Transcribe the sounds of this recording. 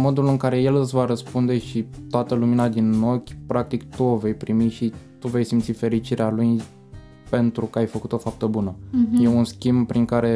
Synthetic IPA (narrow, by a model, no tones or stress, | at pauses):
mo̞d̪ulɨŋkaɾe̞je̞lɨsʲvaɾəspund̪e̞ʃit̪oat̪əluminad̪ino̞kʲpɾak̚t̪ikt̪uove̞jpɾimiʃit̪uve̞jsimt̪sife̞ɾit͡ʃiɾealuj | pe̞nt̪ɾukəajfəkut̪o̞fap̚t̪əbunəje̞unskʲimbpɾiŋkaɾe̞